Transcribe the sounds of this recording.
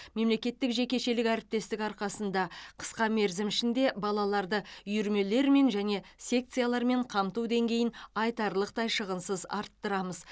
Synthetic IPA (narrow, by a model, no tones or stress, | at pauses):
me̞mle̞kʲe̞t̪ːɪkʒe̞kʲe̞ʃe̞lɪkæɾɪp̚t̪e̞st̪ɪkɑɾqɑsənd̪ɑqʰə̥sqɑme̞ɾzɪmɪʃɪnd̪e̞bɑlˠɑlˠɑɾd̪əjʏɾme̞le̞ɾme̞nʒæne̞sʲe̞k̚t̪sɨjalˠɑɾme̞ɴqʰɑmt̪ud̪e̞ŋɡʲe̞jɪnɑjt̪ɑɾlˠəq̚t̪ɑjʃəʁənsəzɑ̰ɾt̪ːəɾɑməz